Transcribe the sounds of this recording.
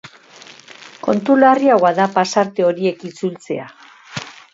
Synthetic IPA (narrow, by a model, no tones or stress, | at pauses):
ko̞nt̪ulariawaðapasaɾt̪e̞o̞ɾie̞kit͡sult͡se̞̰a